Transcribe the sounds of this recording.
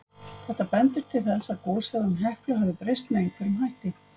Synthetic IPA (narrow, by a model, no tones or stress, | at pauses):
θɛht̪apɛnt̪ɪɾ̥t̪ʰɪlθɛsːaðkɔːsɛðanɦɛhklʏɦavðɪpɾejst̪mɛejŋkʰvɛɾɪmɦajht̪ɪ